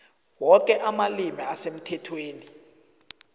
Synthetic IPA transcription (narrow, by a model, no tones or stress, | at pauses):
wɔkʼɛʔamalimiasem̩tʰɛtʰweːni